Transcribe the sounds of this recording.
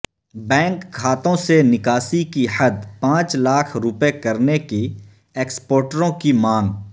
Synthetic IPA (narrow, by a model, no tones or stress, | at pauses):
bɛ̃ːŋkʰːaːt̪õsenɪkaːsikihɐd̪pãːt͡ʃlaːkʰɾʊpekɐɾneke | eːkspɔːɾʈəɾõkimaːŋ